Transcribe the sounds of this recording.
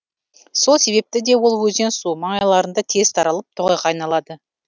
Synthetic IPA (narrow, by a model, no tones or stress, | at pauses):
so̞lˠse̞βe̞p̚t̪ɪd̪e̞wolˠwɵzensuməɴɑjlˠɑɾənd̪ɑt̪ʰe̞z̥t̪ʰɑɾɑlˠəp̚t̪ʰʊʁejqɑːjnɑlˠɑd̪ə